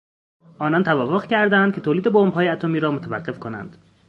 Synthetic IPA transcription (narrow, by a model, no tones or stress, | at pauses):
ʔɒːnɒnt̪ʰævɒːvoɣcʰæɾd̪ænd̪̥kʰʲe̞t̪ʰoːliːd̪ebombɦɒːjeæt̪ʰomiːɾɒːmot̪ʰævæɢːe̞fkʰonæ̰nd̪̥